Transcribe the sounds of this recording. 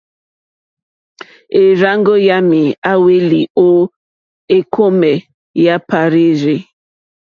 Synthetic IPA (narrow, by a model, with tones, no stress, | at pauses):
e˨ɾa˦ŋɡo˦ja˦mi˨a˦we˦li˨o˦ | e˦kʰo˦me˨ | ja˦pa˨ɾi˦ɾi˦